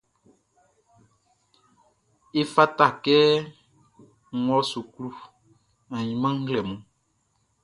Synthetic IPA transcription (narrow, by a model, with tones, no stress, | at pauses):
e˦fa˦ta˦˨kɛ˦ | ɔ˦su˨klu˦ | ã˨ɲĩ˨mã˦ŋ̩˦ɡlɛ˨mũ˨